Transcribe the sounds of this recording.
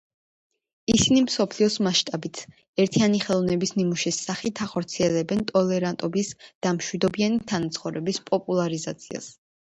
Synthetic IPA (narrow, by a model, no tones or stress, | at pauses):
isinimsɔpʰliɔsmaʃt̪ʼabit̪ʰ | ɛɾt̪ʰianiχɛlˠɔvnɛbisnimuʃisːaχit̪ʰaχɔɾt̪sʰiɛlɛbɛnt̪ʼɔlɛɾant̪ʼɔbisd̪̥amʃwid̪ɔbianit̪ʰanat̪sʰχɔvɾɛbispʼɔpʼulˠaɾizat̪sʰia̰s